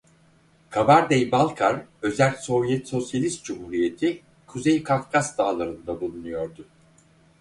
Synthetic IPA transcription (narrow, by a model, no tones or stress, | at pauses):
kʰabaɾd̪ejbalˠkʰaɾø̞zælʲso̞vjɛt̪so̞sjalʲist̪̚d͡ʒumhuːɾije̞t̪ʰi | kʰuzejkʰafkʰasd̪aːlˠaɾɯnd̪abulˠunujo̞ɾd̪ʊ